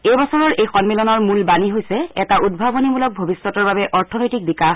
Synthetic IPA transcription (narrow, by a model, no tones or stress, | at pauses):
ejbɔsɔɹɔɹʔejxɔnmilɔnɔɹmulbaniɦojsɛɛtaʔud̚bʱabonimulɔk̚bʱobisːɔtɔɹbabɛʔɔɹtʰɔnojtik̚bikax